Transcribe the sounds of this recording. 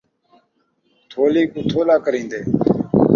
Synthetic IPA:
t̪ʰoːliːkuːt̪ʰoːlaːkəɾĩːnd̪eː

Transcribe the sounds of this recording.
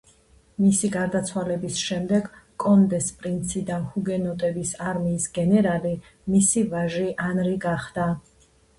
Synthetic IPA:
misiɡaɾd̪at̪sʰwalɛbisʃɛmd̪ɛɡkʼɔnd̪ɛspʼɾint̪sʰid̪ahuɡɛnɔt̪ʼɛbisaɾmiːsɡɛnɛɾali | misivaʒiʔanɾiɡaχd̪̥a

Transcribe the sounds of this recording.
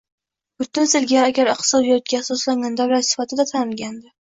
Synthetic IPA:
bʊt̪ʊnsɪlɡʲaaɡʲaɾɪq̚t̪ɪ̥sɒb̪jɒt̪̚ɡʲaːsɒslaŋand̪aɾlaɾsɪ̥fat̪ʰɪd̪at̪ʰanɪlɡʲand̪ɪ

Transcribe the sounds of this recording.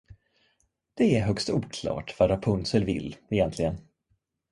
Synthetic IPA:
d̪̥ɛæɾɦœkst̪uːkʰlɑ̰ːʈvaɾapʰɵnsəlvɪ̰lːɛjɛnt̪lɪɡən

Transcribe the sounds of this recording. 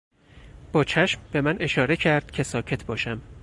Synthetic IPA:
b̥ɒːt͡ʃʰæʃmb̥e̞mænʔe̞ʃɒːɾe̞cʰæɾd̪̥cʰe̞sɒːcʰe̞t̪ʰbɒːʃæm

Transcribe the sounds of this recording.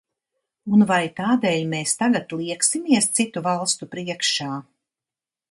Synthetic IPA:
unvajt̪aːd̪eːʎmeːst̪aɡat̪lˠiɛksimiɛst̪sit̪uvalˠst̪upɾiɛkʃaː

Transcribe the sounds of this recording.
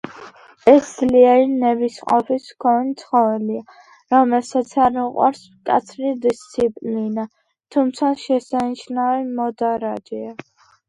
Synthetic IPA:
ɛsd̪zliaɾinɛbisqʼɔ̰pʰiskʰɔnit̪sʰχɔvɛlia | ɾɔmɛlsat̪sʰaɾmuqʼwa̰ɾs | kʼa̰t̪sʰɾid̪ist̪sʰipʼlina | t̪ʰumt̪sʰaʃɛsaniʃnavɛmɔd̪aɾad͡ʒɛa

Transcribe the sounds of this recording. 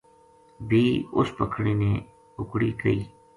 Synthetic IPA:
bʱiːʊspəkʰɽiːnẽː | ʊkɽiːkəiː

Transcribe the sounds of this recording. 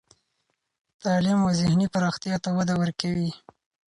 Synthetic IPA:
t̪ɑlimozɪhnipaɾɑxt̪jɑt̪awad̪awəɾkawi

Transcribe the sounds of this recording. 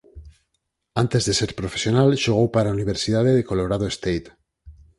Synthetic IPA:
ant̪ezðeseɾpɾofesjonalʃuɣowpaɾauniβ̞eɾsiðaðeðekoloɾað̞oest̪ejt̪

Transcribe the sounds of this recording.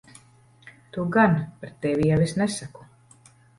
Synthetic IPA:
t̪uɡanpɾet̪ːɛvʲijɛvisnɛsaku̥

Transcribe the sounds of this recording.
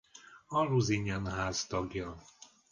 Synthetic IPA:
ɒruziɲɛnɦaːst̪ɒɡjɒ

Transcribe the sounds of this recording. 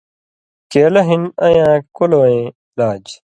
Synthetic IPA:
keːlɐɦinɐjãːkoloːẽː | laːd͡ʑ

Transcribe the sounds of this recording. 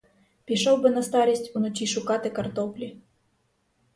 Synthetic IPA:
pʲiʃɔwbɨnɐst̪ɑɾʲisʲtʲunɔt͡ʃʲiʃʊkat̪ɨkɐrt̪ɔplʲi

